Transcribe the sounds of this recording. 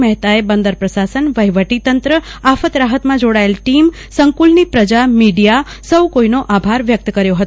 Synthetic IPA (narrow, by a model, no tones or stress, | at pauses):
məɦt̪aebənd̪əɾpɾəsasənʋəɦjʋəʈit̪ənt̪ɾəafət̪ɾaɦət̪mãd͡ʒoɽaelʈim | səŋkulnipɾəd͡ʒamiɖija | səwkoinoʔabʱaɾʋjək̚t̪kəɾjoɦət̪